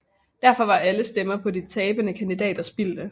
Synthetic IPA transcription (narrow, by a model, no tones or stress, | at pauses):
d̥æɐfɒ̽ʋɑ̈ʔæləsd̥emɐpʰɒ̽dit͡sʰɛːb̥ənəkʰænd̥id̥ɛ̰ːd̥ɐsb̥ild̥ə